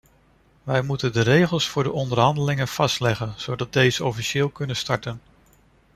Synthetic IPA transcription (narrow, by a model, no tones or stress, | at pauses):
ʋɛjmutəndərejχəlˠsfʊːɹdəʔɔndəɹɦɑndəlɪŋənv̥ɑstlɛχənz̥owdɑt̚dejzəɔfiʃɪːlˠkɵnənstɑɹtən